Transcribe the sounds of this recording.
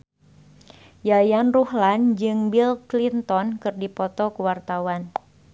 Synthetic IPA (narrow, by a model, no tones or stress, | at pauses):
jajanruhland͡ʒɨŋbilklint̪ɔnkɨrdipɔt̪ɔkuwart̪awan